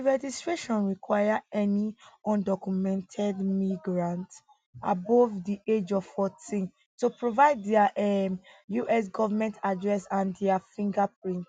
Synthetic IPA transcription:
ɹɛd͡ʒistɹeʃɔ̃nɹikwajaɛniɔ̃ndɔkjumɛ̃ntʰɛdmiɡɹãnt | a̰bɔvdied͡ʒɔvfɔtʰĩn | tupɹovaɪddɛaʔɛjuʔɛs̬ɡɔvamɛ̃ntʰadɹɛsãndɛafĩŋɡapɹĩnt

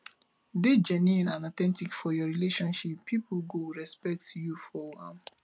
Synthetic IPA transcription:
ded͡ʒɛniĩnãnɔt̪ɛ̃ntikfɔjɔɹileʃɔ̃nʃipʰːipʰɡowɹɛspɛk̚tjufɔwãm

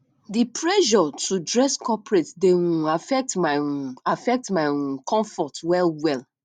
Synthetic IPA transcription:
dipʰɹɛʒɔtudɹɛskʰɔpɹetdeũafɛk̚tmaafɛk̚tmaɪũkʰɔ̃ɱfɔtwɛlwɛl

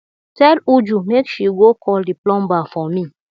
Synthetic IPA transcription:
tɛlud͡ʒumekʃiɡokʰɔldiplɔ̃mbafɔmi

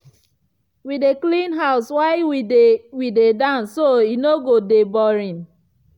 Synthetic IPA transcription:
wideklĩnɦaʊswaɪwiewidedãnsoinoɡodebɔɾĩn

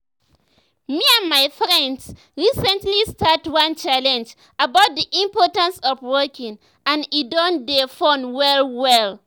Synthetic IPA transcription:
miãnmaɪfɹɛ̃nds | ɹisɛ̃ntlistatwʌ̃nt͡ʃalɛ̃nd͡ʒ | abaʊt̚ðiʔĩmpɔtãnsɔfwɜkĩŋ | ãnidɔ̃ndefɔ̃nwɛlwɛl

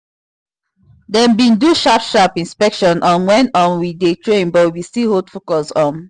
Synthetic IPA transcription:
dɛ̃nbĩnduʃapʃapĩnspɛkʃɔ̃nʔɔ̃nwɛ̃ntɔ̃nwidetʰɹẽnbɔwiwistihodfokɔsɔ̃n

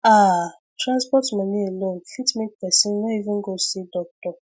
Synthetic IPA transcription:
a | tɾãnspɔtmanielõnfitmĩkpɛsĩnnɔivĩŋ̩ɡosidɔk̚tɔ

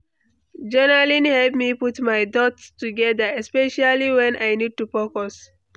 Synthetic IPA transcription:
d͡ʒɛnalĩnhɛlpmiputmajdɔtstuɡɛdaɛspɛʃaliwɛ̃najnid̚tupɔkɔs

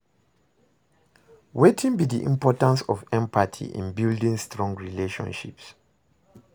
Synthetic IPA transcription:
wetʰĩnbidiʔḭ̃mpɔtãnsɔvɛ̃mpʰatʰḭʔḭ̃nbildĩŋstɹɔ̃ŋɡɹileʃɔ̰̃nʃḭps

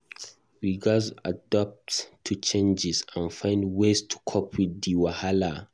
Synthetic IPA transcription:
wiɡazadɔp̚ttʰːut͡ʃẽnd͡ʒɪsãnfãɪ̃ndwestʰu̥kʰɔpʰwidːiwahala

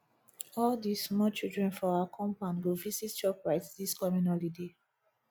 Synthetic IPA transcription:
ɔldismɔt͡ʃildɹɛ̃nfɔakʰɔ̃mpãnɡovisitt͡ʃɔpɹaɪtdiskɔmĩnɔlide

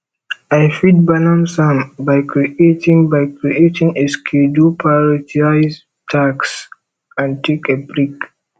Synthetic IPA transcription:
ajfid̚banãmsãmbaɪkɾietĩŋbaɪkɾietʰĩŋeskʰedupʰaɹitʰiaɪz | tʰaks | ãntʰekebɹik

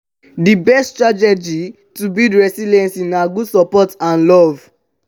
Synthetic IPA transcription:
dibɛsttɹatɛd͡ʒi | tubidɹɛsilɛ̃nsĩnaɡudsɔpɔtãnlɔv

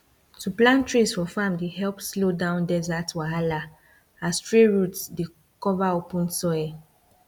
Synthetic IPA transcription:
tʰuplãntɹisfɔfamdehɛlpslodãʊ̃ndɛzatwaɦala | astɹeɹutsde | kɔvaopũnsɔɛ

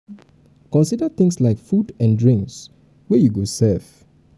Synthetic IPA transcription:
kɔ̃nsidət̪ɪ̃ŋslaɪkfudɛ̃ndɹĩŋks | wɛjuɡosɛf

